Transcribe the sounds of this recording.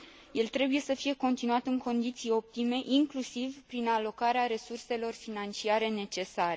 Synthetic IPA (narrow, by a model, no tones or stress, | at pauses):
je̞lt̪ɾe̞buje̞səfije̞ko̞nt̪inuat̪ɨŋko̞nd̪it̪sijo̞p̚t̪ime̞ʔiŋklusivpɾinalo̞kaɾeaɾe̞surse̞lo̞rfinant͡ʃiaɾe̞ne̞t͡ʃe̞saɾe̞